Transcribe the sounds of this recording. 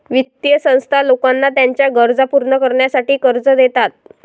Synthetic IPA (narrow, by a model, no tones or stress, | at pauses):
ʋit̪jəsə̃w̃st̪ʰalokanːat̪jaɲt͡ɕjaɡəɾd͡zapuɾɳəkəɾɳjasaʈiːkəɾd͡zəd̪et̪at̪̚